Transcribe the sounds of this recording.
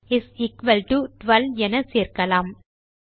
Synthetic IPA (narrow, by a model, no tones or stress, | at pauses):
ɪsiːkʋɐlʈuʈʋɐlɛnɐseːɾkɐlaːm